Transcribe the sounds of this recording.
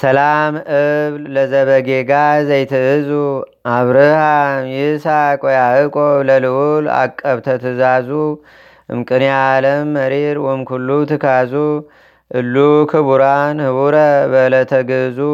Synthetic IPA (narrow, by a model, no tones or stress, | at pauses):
sɐlamʔɨβlləzəβəɡeɡazajt̪ʰɨɨzuʔaβɾɨhamjɪsakʼɔjaʔɨkʼoβləlɨʔula̰kʼːəβt̪ʰət̪ʰɨzazu | ʔɨ̰mkʼɨnjaləmːəɾeɾwɔjmkʰulːut̪ʰɨkʰazu | ʔɨlːukʰɨβuɾanhɨβuɾəbələt̪ʰəɡɨzu